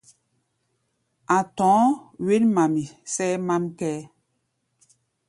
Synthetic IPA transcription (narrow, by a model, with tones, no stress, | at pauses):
a˨tɔ̃ː˨˦we˦nma˨mi˨sɛ˦ma˦mkɛː˦